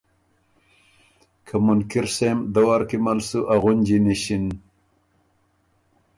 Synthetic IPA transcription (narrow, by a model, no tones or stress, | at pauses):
kʰɐmunkiɾsemd̪ɐwaɾkimalsuʔaɣund͡ʑiniɕin